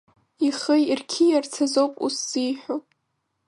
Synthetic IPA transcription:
iχəjirkʲʰijart͡sʰazowpʼṵsːijħʷᶣo

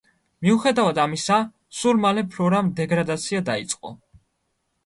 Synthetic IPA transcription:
miuχɛd̪avad̪amisa | sulˠmalɛpʰɾɔɾamd̪ɛɡɾad̪at̪sʰiad̪ait̪sʼqʼɔ̰

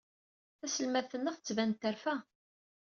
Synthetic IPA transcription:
θæsəlmæθənːəχθət͡sːvænt̪ːəɾfæ

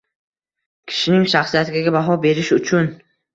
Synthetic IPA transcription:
kʲʰɪ̥ʃɪnɪŋʃaχsijat̪ʰɪɡʲaɡʲabaɦɒbe̞ɾɪʃʊt͡ʃʰʊn

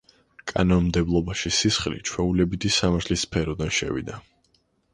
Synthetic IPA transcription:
kʼa̰nɔnmd̪ɛblˠɔbaʃisisχlḭt͡ʃʰwɛulɛbit̪ʰisamaɾt̪ʰlisːpʰɛɾɔd̪anʃɛ̰vḭd̪a

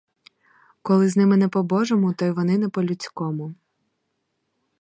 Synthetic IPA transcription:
kɔlˠɪznɪmɪnɛpɔbɔʒɔmʊt̪ɔjʋɔnɪnɛpɔlʲʊt͡sʲkɔmʊ

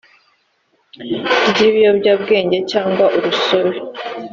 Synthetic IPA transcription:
ɟiβijobɟabɡe̞ːɲɟe̞caːŋɡwaʔuɾuso̞βe

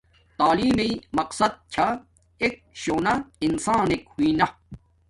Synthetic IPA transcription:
t̪aːliːmeimɐqsɐd̪̚t͡ɕʰa | ek̚ɕoːnɐinsaːnekhuiːnɐ

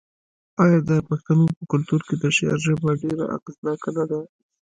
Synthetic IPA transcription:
ɑjɑd̪əpaxt̪anopəkʊlt̪uɾked̪əʃea̰ɾʒəbaɖeɾa̰ʔa̰qznɑkanad̪a

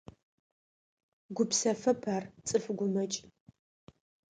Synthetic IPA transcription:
ɡʷʊpsɐfɐpʰart͡sʼɨfɡʷʊmɐt͡ʃʼ

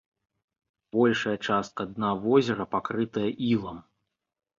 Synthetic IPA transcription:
b̥ɔlʲʂɐjɐt͡ʂast̪̚kɐːd̪navɔzʲɛɾɐpakɾɨt̪ɐjɐʔilˠɐm

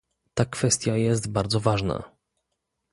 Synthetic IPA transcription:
t̪akfɛst̪ʲjajɛs̬t̪baɾd̪zɔvaʐna̰

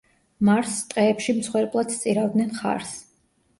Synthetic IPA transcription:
maɾst̪ʼqʼɛːpʃimt̪sχwɛɾpʼlˠad̪t̪sʼiɾavd̪nɛnχa̰ɾs

